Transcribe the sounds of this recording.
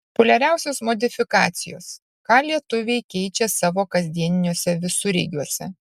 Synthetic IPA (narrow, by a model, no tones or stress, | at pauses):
pʊlʲɛɾʲæˑʊsʲoːsmoːd̪ʲɪfʲɪkɑ̰ːt̪sʲɪjo̰ːs | kɑːlʲiɛt̪ʊʋʲɛɪkʲɛɪt͡ʃʲɛsɑːʋoːkɐzʲd̪ʲiɛnʲɪnʲuɔsʲɛʋʲɪsʊɾʲɛɪɡʲuɔsʲɛ̰